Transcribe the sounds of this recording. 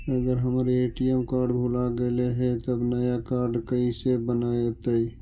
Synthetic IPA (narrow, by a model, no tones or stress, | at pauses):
əɡəɾɦəmɾeʈijəmkaːɾɖbʱuːlaɡəleɦɛ̃t̪əbnəjakaːɾɖkəisebənaet̪əi